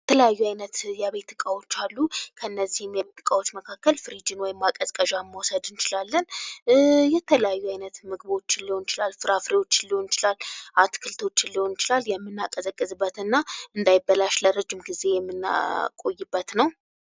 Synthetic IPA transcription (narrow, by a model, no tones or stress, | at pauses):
jɛt̪ʰələjajːuajnət̪jaβe̞t̪ːɨkʼawo̞t͡ʃːalːukʰəɨnːəzːihɨmjaβe̞t̪ːɨkʼawot͡ʃːməkʰakːəlfɨɾid͡ʒɪnwɔjɪmːakʼəzkʼəʒamːawsəd̪ɨnt͡ʃɪlalːən | jɛt̪ʰələjajːuajnət̪mɨɡβo̞t͡ʃːɪnlːiho̞nɪt͡ʃɪlalfɨɾafɾewo̞t͡ʃːɪlːiho̞nt͡ʃɪlalʔat̪kʰɨlt̪ʰo̞t͡ʃːɪnlːiho̞nɪt͡ʃɪlaljɛmːɨnːakʼəzəkʼːɨzɨbːət̪ɨnːaɨnd̪ajɪbːəlaʃləɾəd͡ʒɪmɡize̞jɛmːɨn̰kʼo̞jːɨbːət̪nəw